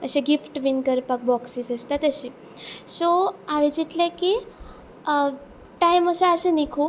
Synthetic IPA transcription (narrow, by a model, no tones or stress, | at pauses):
əɕeɡifʈʋinkəɾpak̚bɔksisəst̪at̪əɕi | soaʋed͡ʑit̪leki | ʈajməsaəsenikʰu